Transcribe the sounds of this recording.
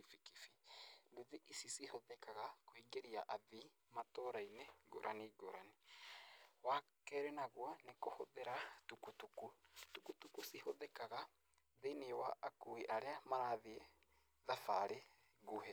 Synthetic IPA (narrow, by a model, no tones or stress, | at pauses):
ifikifimbuðiʔisisihoðekaɣakwiŋɡeɾiaʔaði | matoɾaineɡo̰ɾʔa̰niɡoɾani | wa | kɛɾenaɣwanekohoðeɾatukutukutukutukusihoðekaɣa | ðinewaʔːkuiʔaɾeamaɾaðie | ðafaɾe | ɣuhɛ